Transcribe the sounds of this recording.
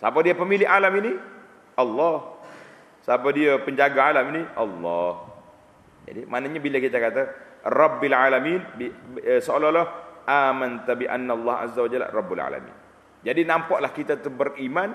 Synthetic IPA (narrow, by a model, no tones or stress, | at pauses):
sapadiapəmilɪʔalamini | ʔɑlːɑh | sapadiapəɲd͡ʒaɡaalaminiʔɑlːɔh | d͡ʒa̰dimanaɲabilakit̪akat̪arɑbːalʕalaminbsəolɔlɔhʔaːmant̪abiʔa̰nːalːɑɦʔa̰zawad͡ʒalrˤɑbːala̰la̰mḭn | d͡ʒadinampaʔlahkit̪at̪ubəriman